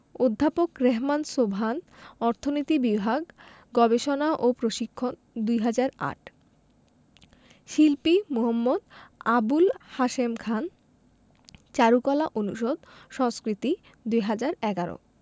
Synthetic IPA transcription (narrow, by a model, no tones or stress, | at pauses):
od̪ʱːapokɾeɦmansobʱanɔɾt̪ʰonit̪ibibʱaɡ | ɡɔbeʃonaʔopɾoʃikʰːon | d̪ujɦad͡ʑaɾa̰ʈ | ʃilpimuɦamːod̪abulhaʃemkʰan | t͡ɕaɾukɔlaʔonṵʃod̪̚ʃɔŋskɾit̪i | d̪ujɦad͡ʑaɾɛɡaɾo̰